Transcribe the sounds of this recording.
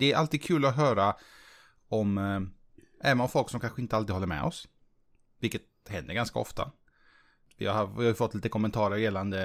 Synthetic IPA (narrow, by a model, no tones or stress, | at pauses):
d̪ɛæɾʔa̰lt̪iːd̪̚kʰʉ̟ːlaɔɦœːɾa | ɔm | ʔɛvənɔfɔlksɔmkʰanɧəɪnt̪əaliːhɔlːəɾmɛ̰ʔɔ̰s | vɪlkːət̪hɛnd̪əɾɡanska̰ɔ̰ft̪a̰ | vɪ̰haɪhajʏfɔt̪ːliːt̪əkʰɔmɛənt̪ʰɑːɾəɾjɛlːand̪ə